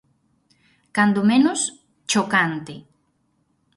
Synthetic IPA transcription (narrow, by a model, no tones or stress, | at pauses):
kand̪omenʊs | t͡ʃokant̪ɪ